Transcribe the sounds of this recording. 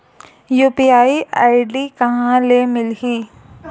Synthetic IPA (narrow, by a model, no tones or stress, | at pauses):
juːpiaːiʔaːɪɖikɐɦãlemɪlɦiː